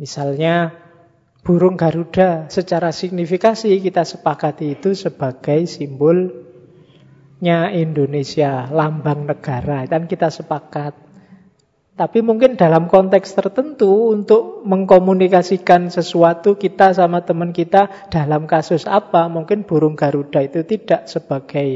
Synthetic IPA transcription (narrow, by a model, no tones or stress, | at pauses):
misalɲa | b̥ṳɾʊŋɡa̤ɾuɖ̥a̤sət͡ʃaɾasik̚nifikasikit̪asə̥pakat̪iːt̪usəb̥a̤ɡ̥a̤jsimbʊl | ɲaind̪onesialambaŋnəɡ̥a̤ɾad̪ankit̪asəpakat̪̚ | apimuŋkɪnd̥a̤lamkɔnt̪ɛkst̪ərt̪ənt̪uːnt̪ʊʔməŋkomunikasikansəsuat̪ukit̪asamat̪əmənkit̪a | d̥a̤lamkasʊsa̰pamuŋkɪnb̥ṳɾʊŋɡ̥a̤ɾud̥a̤it̪ut̪id̥a̤ʔsəb̥a̤ɡ̥a̤j